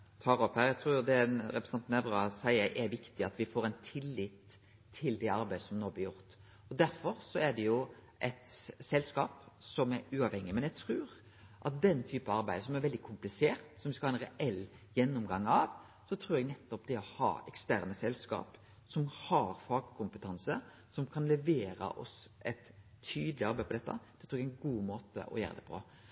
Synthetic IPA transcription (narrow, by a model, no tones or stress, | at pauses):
t̪ʰɑːɾɔphæːɾɛɡ̚t̪ʰɾuːd̪ɛɾɛpɾɛsɑnt̪nɛʋɾɑsæɪəɾʔɛʋɪkt̪ɪɑt̪ʋɪfoːɾɛɪnt̪ʰɪlːɪt̪ʰː | ɪld̪ɛɑɾbæɪd̪əsɔmnoːblɪjʊɾʁt̪ | ɔd̪æɾfɔɾsɔɛd̪ɛjʊ | ʔɛt̪sɛlskɑːpsɔmɛɾʉːɑʋhɛŋːɪmɛnjɛɡt̪ʰɾʉːɾ | ʔɑt̪̚d̪ɛnːt̪ʰyːpɑɑɾbæɪd̪əsɔmæɾʋɛld̪ɪkʰʊmplɪseːɾt̪sɔmʋɪskɑhɑːɛnɾɛʔɛlː | jɛnːʊmɡɑŋːɑʋ | sɔt̪ʰɾʉːɾɛɡnɛt̪ːɔp̚d̪ɛɔhɑ̰ːɛkst̪æːɾnəsɛlskɑ̰ːp | sɔmhɑɾfɑɡkʰʊmpət̪ʰɑnsə | sɔmkʰɑnlɛʋeːɾə̰ʔɔ̰sʔɛt̪ʰː | yːd̪əlɪɑɾbæɪpʰɔd̪ɛt̪ːɑ̰d̪̥ɛt̪ʰɾuːɾɛɡɛnɡuːmoːt̪ə̰ʔɔ̰jæ̰ːɾəd̪ɛ̰pʰɔ̰